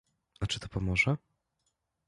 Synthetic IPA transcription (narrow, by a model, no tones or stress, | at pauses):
at͡ʂɘt̪ɔ̥pɔmɔʐɛ